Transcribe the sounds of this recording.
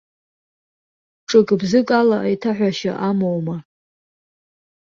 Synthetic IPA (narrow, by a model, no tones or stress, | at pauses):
ʈ͡ʂʼɨkʼbzɨkʼalaʔajtʰaħʷᶣaʃaʔamowma